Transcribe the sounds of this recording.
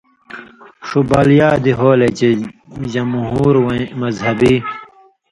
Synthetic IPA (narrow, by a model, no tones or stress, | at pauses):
ʂubaːljaːd̪iɦoːled͡ʑed͡ʑɐmɦuːɾwmɐzhɐbi